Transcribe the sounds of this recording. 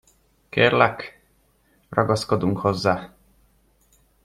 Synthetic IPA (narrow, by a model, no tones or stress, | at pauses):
keːrlɛk | rɒɡɒskod̪uŋkhozːaː